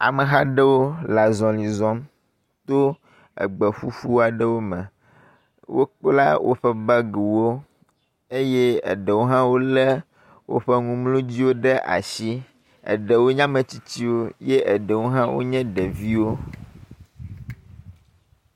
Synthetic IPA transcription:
a̰˨mə̃˨ɦa˦ɖə˦wo˦la˨zɔ̃˨li˨zɔ̃˦m | t̪o˦ | ə̰˨ɡ͡bə˨ɸu˦fu˦a˨ɖə˦wo˦mɛ̃˨ | wo˦k͡pla˦wʔo̰˦ɸɛ˦ba˦ɡu˨wo˦ | e˦jɛ˦ə̰˨ɖə˨wo˦ɦã˦wo˦lɛ˦ | wo̰˦ɸɛ˦ŋũ˦mlũ˦d͡ʑi˦wo˦ɖɛ˦ʔa̰˨ʃi˦ | ə̰˨ɖə˨wo˦ɲã˦mə̃˨t͡ɕi˦t͡ɕi˦wo˦je˦ʔə˨ɖə˨wo˦ɦã˦wo̰˦ɲɛ̃˦ɖɛ˨vi˦wo˦

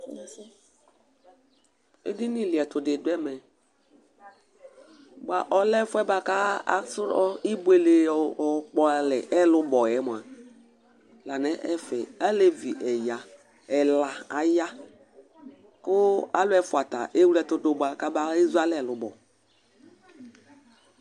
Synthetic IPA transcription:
ḛ˦dɪ˦ni˦lɪ˨ɛ˨tʊ˨dɪ˨dʊ˦ɛ˦mɛ˨ | ba˨ʔɔ˨lɛ˦fʊ˦ɛ˦ba˦ka˦a̰˨˦sɾɔ˦i˦bu˦e˨le˨ɔ˨k͡pɔ˨lɛ˨ʔɛ˦lʊ˦bɔ˨jɛ˨˦mo˨a˨ | la˨nɛ˨˦ʔɛ˦fɛ˨a˦le˦vi˨ʔɛ˨ja˨ | ɛ˨la˨a˨ja˦ | kʊ˦a˦lʊ˦ɛ˨fʊ˨a˨ta˨ʔe˦wɛ˨tʊ˨dʊ˦ba˨ka˦ba˦i˦za˦lɛ˨lʊ˨bɔ̰˨

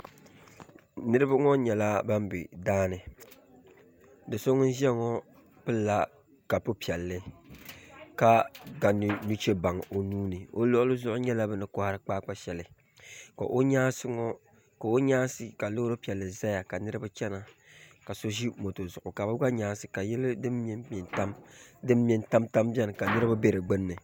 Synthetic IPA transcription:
nɨ˦ɾɨ˦ba˦ŋɔ˦ɲɛ˨la˦ba˦m˦bɪ̰˨daː˦nɨ˨ | dɨ˨so˦ŋ˦n˦ʒi˦ɛ˦ŋɔ˦ | pɨ˦lːa˦ | ka˨pɨ˦pi˨ɛ˨lːɨ˦ | ka˦ɡa˨n˨nu˦t͡ʃe˦ba˨ŋo˨nuː˦nɨ˨o˦lo˦ʊ˦lɨ˦zʊ˦ʔʊ˦ɲɛ˦la˦bɨ˨nɨ˨kʊ˦ha˦ɾɨ˦k͡paː˦k͡pa˦ʃɛ˨lɨ˨ | ka̰˨ʔo˦ɲaː˦sɨ˦ŋɔ˦ | ka˨o˦ɲaː˦sɨ˨ka˨lo˦ɾo˦pi˨ɛ˨lːɨ˨za˦ja˨ka˨nɨ˦ɾɨ˦ba˦t͡ʃɛ˦na˨ | ka˨so˦ʒi˦mo˨to˨zʊ˨ʔʊ˨ka˨bɨ˦ɡʷa˦ɲaː˦sɨ˨ka˨jɛ˦lɨ˦dɨ˦mɛ˦ɛ˨nta˦mdɨ˦m˦mɛ˨nta˦mta˦mbɛ˦nɨ˨ka˨nɨ˦ɾɨ˦ba˦be˦ɾɨ˨ɡ͡bɨ˦nːɨ˨

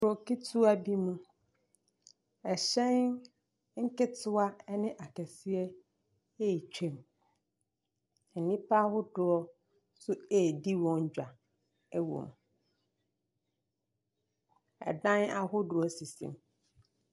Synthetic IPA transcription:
ɾʊ˨kɪ˦tʰu˦a˦bi˦mũ˦ | ɛ˨ɕɛ̃˦n | ŋ̩˦kɪ˦tʰʊ˦a˦nɪ̃˦ʔa˨kʰɛ˨si˦ɛ˦ | e˦˨t͡ɕᶣʰẽ˦˨m˨ | nĩ˦pʰa˦hʊ˦dʊ˦ɔ˦ | sʊ˦eː˨di˦wɔ̃˦ɲ˦d͡ʑᶣa˨ | ɛ˦wõ̰˨m | ɛ̰˨dã˦na˦ɦʊ˦dʊ˨ɔ˦si˨sḭ̃˨m

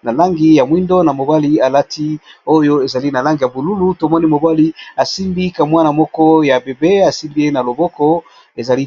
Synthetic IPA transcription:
na˨la˦ŋɡi˨ja˨mwi˦ndɔ˦na˨mo˨ba˦li˨˦a˨la˦tʰi˦o˦jo˦e˨za˨li˦na˨la˦ŋɡi˨ja˨bo˨lu˦lu˦to˨mɔ˦ni˦mo˨ba˦li˦a˨si˦mbi˦ka˨mwa˦na˨mɔ˦kɔ˦ja˨be˨be˦a˨si˦mbi˦e˦na˨lo˨bɔ˦kɔ˦ | e˨za˨li˦

